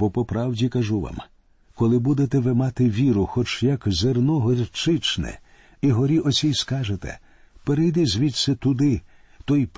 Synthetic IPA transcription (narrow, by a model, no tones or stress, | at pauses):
pɔpɔpɾɑwdʲikɐʒuʋa̰m | kɔlˠɪbud̪et̪ɛʋɪmɑt̪ɪʋʲiɾʊxɔt͡ʃjɐkzernɔɦɔɾʲt͡ʃɪt͡ʃnɛ̰ | iɦɔɾʲiʔɔt͡sʲijskɑʒet̪ɛ̰ | peɾejd̪ɪzʲʋʲit̪sɛt̪ʊd̪ɪ | t̪ɔjp